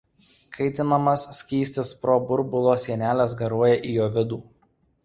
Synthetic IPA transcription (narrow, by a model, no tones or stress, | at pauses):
kʰɐɪt̪ʲɪnɐmɐsːʲkʲiːsʲt̪ʲɪspɾobʊɾbʊlˠoːsʲiɛnʲæːlʲɛs̬ɡɐɾuɔjɛʔijoːʋʲɪd̪uː